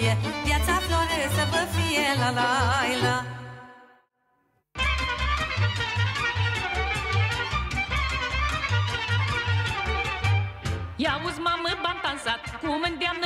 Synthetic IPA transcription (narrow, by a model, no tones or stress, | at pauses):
ət̪jat͡saflɔɾəsəbəfijɛlalaila | jawuzmaməbant̪ansat̪kʰumənd̪jamn